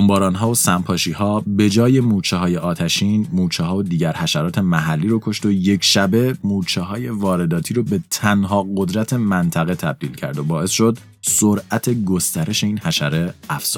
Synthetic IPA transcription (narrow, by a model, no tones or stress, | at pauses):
ombɒːɾɒːnɦɒːosæmpʰɒːʃiːɦɒːbe̞d͡ʒɒːje̞muːt͡ʃʰeɦɒːjeʔɒːt̪ʰæʃiːnmuːt͡ʃʰeɦɒːod̪iːɟæɾhæʃæɾɒːt̪ʰe̞mæɦælːiːɾokʰo̞ʃt̪eojecʰʃæbe̞muːt͡ʃʰeɦɒːje̞vɒːɾe̞d̪ɒːt̪ʰiːɾobet̪ʰænɦɒːɢo̞d̪ɾæt̪ʰe̞mænt̪ʰæɣe̞t̪ʰæb̚d̪iːlcʰæ̰ɾd̪obɒːe̞sʃo̞d̪ | soɾʔæt̪ʰe̞ɡo̞st̪æɾe̞ʃe̞iːnhæʃæɾe̞æfz̥uː